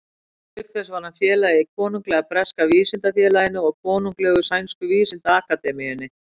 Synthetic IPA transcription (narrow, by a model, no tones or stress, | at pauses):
lʏkθɛsvaɾnafjɛːlajɪikʰɔːnuŋklɛːɣapɾɛskaviːsɪnt̪afjɛːlajɪnːʏɔɣkʰɔːnuŋklɛːɣʏsajnskʏviːsɪnt̪aaːkat̪ɛmijʏnːɪ